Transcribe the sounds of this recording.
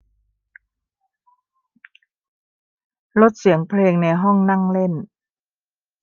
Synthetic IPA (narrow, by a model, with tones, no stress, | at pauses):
lo˦˥t̪̚si˨˩˦əŋpʰleː˧ŋna˧jɦɔ˥˩ŋna˥˩ŋle˥˩n